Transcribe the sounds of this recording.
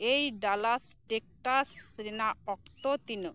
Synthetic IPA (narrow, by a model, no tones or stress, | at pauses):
ejɖalasʈek̚ʈasɾenaɔk̚t̪ot̪inu